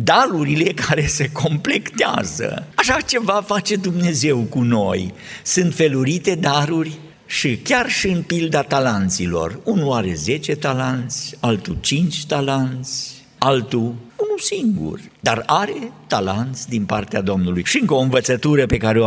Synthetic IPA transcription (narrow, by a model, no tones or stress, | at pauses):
d̪aɾuɾile̞kaɾe̞se̞kʰo̞mple̞kt̪ea̰zə̰aʃat͡ʃe̞vafat͡ʃe̞d̪umne̞ze̞wkuno̞jsɨnt̪fe̞luɾit̪e̞d̪aɾurʲ | ʃikʲarʃiɨnpild̪at̪alant̪silo̞̰runuaɾe̞ze̞t͡ʃe̞t̪alant̪sʲalt̪ut͡ʃint͡ʃʲt̪alant̪sʲ | alt̪uunusiŋɡṵrd̪araɾe̞t̪alant̪sʲd̪inpart̪ead̪o̞mnulujʃiɨŋkəoɨnvət̪sət̪uɾəpe̞kaɾeo